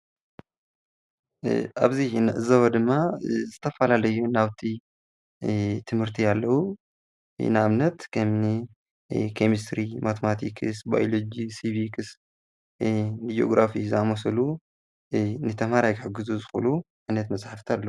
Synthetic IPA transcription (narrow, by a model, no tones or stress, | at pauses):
ʔa̰βzinɨʔɨzɐβɐd̪ɨmːazɨt̪ʰɐfɐlalɐjunaβt̪ʰi | t̪ʰɨmhɨɾt̪ʰialːɐwṵ | nɨamnɐt̪kʰɐmnɨ | kʰe̞mist̪ɾimat̪ʰɐmat̪ʰḭkʰɨsba̰jolod͡ʒisiβikʰɨs | nɨd͡ʒo̞̰ɡɾafizɨamosɐlu | nɨt̪ʰɐmhaɾajkħɨɡɨzuzɨxṵlu | ʕɨnɐt̪mɐsʼħaft̪ʰialːɐwu